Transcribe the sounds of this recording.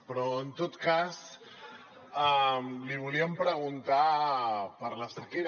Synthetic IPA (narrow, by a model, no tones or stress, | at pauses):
pɾɔənt̪ot̪kas | aliβ̞uliəmpɾəɣ̞unt̪a | pəɾləsəkeɾ